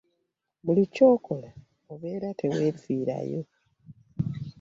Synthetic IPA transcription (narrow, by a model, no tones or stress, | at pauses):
mulico̞ːko̞la | oβe̞ːɾatʰe̞we̞ːfiːɾa̰jo̰